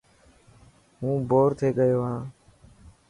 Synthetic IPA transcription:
ɦũːboːɾt̪ʰeːɠəjoːɦãː

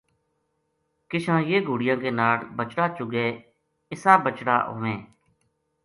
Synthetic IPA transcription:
kɪʃãːjeːɡʱuːɽɪjãːkeːnaːɽbət͡ʃɽaːt͡ʃʊɡeː | ɪsaːbət͡ʃɽa̰ːʔo̰ːʋẽː

